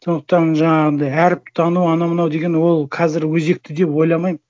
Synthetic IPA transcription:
so̞nd̪ə̥q̚t̪ɑnʒɑɴɑʁənɑjæɾɪp̚t̪ʰɑnuɑnɑmənɑwd̪e̞ɡʲe̞nwo̞lˠqʰɑzɪɾwɵze̞k̚t̪ɪd̪e̞pwo̞jlˠɑmɑjmə

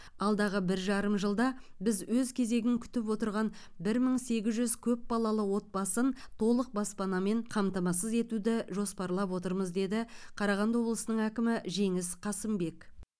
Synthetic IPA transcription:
ɑlˠd̪ɑʁəbɪɾʒɑɾəmʒəlˠd̪ɑbɪzwɵzkʲʰe̞ze̞ɡʲɪŋkʲʰʏ̥t̪ɪpwo̞t̪əɾʁɑn | bɪɾməɴse̞ɡʲɪzʒʏzkʲʰɵp̚bɑlˠɑlˠəwo̞t̪̚bɑsənt̪ʰo̞lˠəq̚bɑspɑnɑme̞ɴqʰɑmt̪ɑmɑsəze̞t̪ud̪ɪʒo̞spɑɾlˠɑpwo̞t̪əɾməzd̪e̞d̪ɪqʰɑɾɑʁɑnd̪wo̞blˠəsənəɴækʲɪmɪʒe̞ŋɪsqʰɑsəmbe̞k

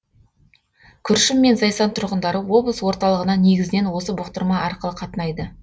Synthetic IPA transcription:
kʲʰʏɾʃɪmːe̞nzɑjsɑnt̪ʰʊɾʁənd̪ɑɾəwo̞bˠəswo̞ɾt̪ɑlˠəʁənɑne̞ɡʲɪzɪne̞nwo̞səbʊqt̪əɾmɑɑɾqəlˠəqʰɑt̪ənɑjd̪ə

